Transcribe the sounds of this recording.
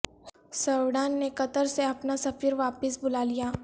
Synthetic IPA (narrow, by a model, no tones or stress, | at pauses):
səʋɽaːnːekɐt̪əɾseɐpnasɐfiːɾʋaːpɪsbʊlaːlijaː